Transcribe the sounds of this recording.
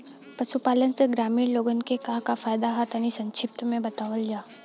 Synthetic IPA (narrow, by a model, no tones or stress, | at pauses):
pɐʃupaːlənseɡɾaːmiːɾloːɡənkekaːkafaːjd̪aɦat̪anisɐ̃ɲt͡ʃʰɪp̚t̪mẽbɐt̪aːʋəld͡ʒaː